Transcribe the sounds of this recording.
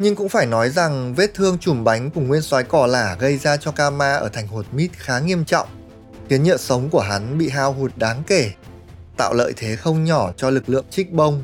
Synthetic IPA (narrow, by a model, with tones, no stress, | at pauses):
ɲɨ˧ŋkʊ̰˧˥ŋ͡mfaː˧˩jnɔ˨˦jza˨˩ŋve˦˥t̚t̪ʰɨ˧əŋt͡ɕʊ˧˩mɓa˨˦jŋ̟ku˨˩əŋwi˧ənswaː˨˦jkɔ˧˩laː˧˩ɣə˧jzaː˧t͡ɕɔ˧kaː˧maː˧ʔəː˧˩t̪ʰɛ˨˩ŋ̟ho˨˩t̚mi˦˥t̚xaː˨˦ŋi˧əmt͡ɕɔ̰˧˨wŋ͡m | xi˨˦ənɲə̰ː˧˨sə˨˦wŋ͡mku˧˩əɦa˨˦nɓḭ˧˨ɦaː˧wɦu˨˩t̚ɗaː˨˦ŋke˧˩ | t̪a̰ː˧˨wlə̰ː˧˨jt̪ʰe˨˦xə˧wŋ͡mɲɔ˧˩t͡ɕɔ˧lɨ˨˩k̚lɨ̰˧˨əŋt͡ɕï˦˥k̟̚ɓə˧wŋ͡m